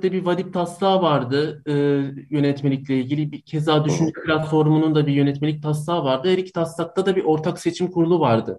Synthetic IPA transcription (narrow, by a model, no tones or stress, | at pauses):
d̪ɛbivad̪ip̚t̪ʰast̪ˠaːvaɾd̪ɯɯːjø̞nɛt̪me̞lʲiclʲeilʲɟʲilʲibicʰezaːd̪yʃynd͡ʒɛplʲat̪fo̞ɾmunund̪abijø̞nɛt̪me̞lʲic̚t̪ʰas̬t̪ˠaːvaɾd̪ɯɦeɾicʰi̥t̪ʰast̪lˠak̚t̪ʰad̪abiʔo̞ɾt̪ʰakse̞t͡ʃʰimkʰuɾulˠuvaɾd̪ɯ